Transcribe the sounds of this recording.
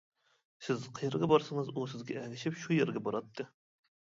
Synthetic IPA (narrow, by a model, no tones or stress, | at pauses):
sɪzqʰəjəɾɡɑbɑɾsɨŋəzusɪzɡʲɛɛlɪʃɪpʃujeɾɡʲɛbɑɾɑt̪ʰːɨ